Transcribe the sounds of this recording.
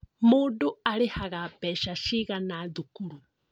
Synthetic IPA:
muːduaɾehaɣapɛʃaʃiɣanad̪ukuɾu

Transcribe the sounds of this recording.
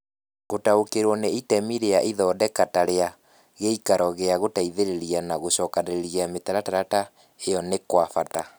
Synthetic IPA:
ɣotaokeɾwɔneitɛmiɾeaʔiðɔːdɛkataɾea | ɣeikaɾɔɣeaɣotaiðeɾeɾianaɣoɕɔːkaneɾeɾieametaɾataɾata | ejɔnekwafata

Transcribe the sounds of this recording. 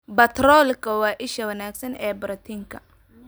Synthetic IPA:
bɐt̪rɔːlkʰɐwɑːʔɪʃɐwɐnaːɡsɐnɛːbɾɐt̪ʰiŋkʰɐ

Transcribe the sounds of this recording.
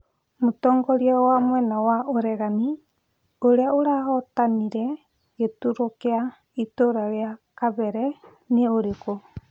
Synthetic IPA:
motɔːŋɡɔɾiawamwɛnawaoɾɛɣani | oɾeaoɾaɣɔtaniɾɛ | ɣetuɾokea | itoɾaɾeakaβɛɾɛ | neoɾeko

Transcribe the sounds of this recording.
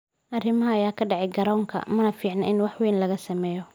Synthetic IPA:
ʔɐrɪmɐɦɐɐjaːkʰɐɖɛʕɪɡɐɾɔːŋkʰɐ̰mɐnɐfiːʕnɐʔɪnwɑħwɛːnlɐɣɐsɐmɛːjɔ

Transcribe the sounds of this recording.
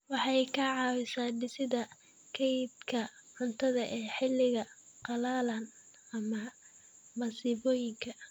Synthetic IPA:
wɑħɑjkʰɐʕɑːwɪsaːɖɪsɪðɐ | kʰɛjd̪kʰɐʕʊnt̪ʰɐðɐʔɛːħɪlːɪɣɐqɑlaːlɐn | ɐmɐ | mɐsɪβɔːjɪŋkʰɐ

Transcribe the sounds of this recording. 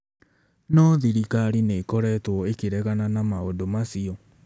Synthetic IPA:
nɔðiɾikaɾineːkɔɾɛtwɔekeɾɛɣananamaodomasiɔ

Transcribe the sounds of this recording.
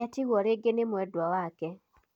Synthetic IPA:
atiwɔɾeɡenemwɛdwawakɛ

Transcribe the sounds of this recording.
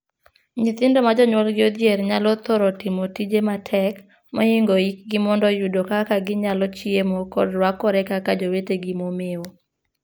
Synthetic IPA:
ɲɪt̪ɪndɔmad͡ʒɔɲwɔlɡɪod̪jeɾɲalɔt̪oɾɔtɪmotid͡ʒematʰɛk | mɔiŋɡoik̚ɡɪmɔndɔjudokakaɡɪɲalɔt͡ʃiemokɔ̰dɾwakːɔɾɛkakad͡ʒoweteɡɪmomeo

